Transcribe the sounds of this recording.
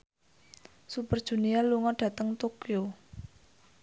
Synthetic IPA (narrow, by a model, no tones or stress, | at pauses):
supərd̥ʒ̥ṳnialuŋɔɖ̥ä̤t̪əŋt̪okio